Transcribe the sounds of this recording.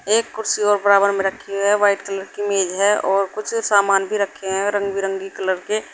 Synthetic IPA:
eːkːʊɾsiɔːɾbəɾaːbəɾmẽɾəkʰːeɦɛʋaːɪʈkələɾkimeːd͡ʒɦɛɔːɾkʊt͡ʃʰsaːmaːnbʱiɾəkʰːeɦɛ̃ɾə̃ŋɡbiɾə̃ŋɡikələɾke

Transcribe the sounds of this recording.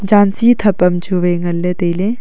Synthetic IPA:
d͡ʒaːnsit̪ʰɐpɐmt͡ʃʰuʋeːŋɐlːet̪eilẽ

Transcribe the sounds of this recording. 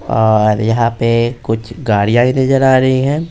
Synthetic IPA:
ɔːɾjɐɦãpekʊt͡ʃʰɡaːɽijãːĩnɐzəɾaːɾɐɦiɦɛ̃ː

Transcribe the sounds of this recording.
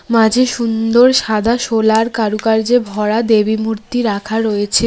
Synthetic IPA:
mãd͡ʑʱeʃund̪oɾʃad̪ʱaʃolaɾkaɾukaɾd͡ʑebʱɔɽad̪ebimuɾt̪iɾakʰaɾojet͡ɕʰe

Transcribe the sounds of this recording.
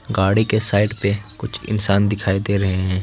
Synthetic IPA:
ɡaːɽikesaːɪʈpekʊt͡ʃʰɪ̰nsaːnd̪ɪkʰaːid̪eɾɐɦeɦɛ̃ː

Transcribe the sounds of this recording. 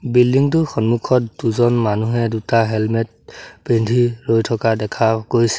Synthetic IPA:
bildiŋt̬ʊxɔnmukʰɔtduzɔnmanuɦɛdutaɦɛlmɛt̚pɹindʱiɹojtʰɔkadɛkʰakoɹisɛ̥

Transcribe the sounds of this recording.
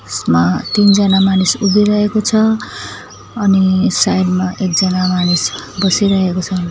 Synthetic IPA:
smat̪ind͡zʌnamanisubʱiɾʌɦekot͡sʰʌ | ʌnisajlmaʔek̚d͡zʌnamanisbʌsiɾʌɦekot͡sʰʌ

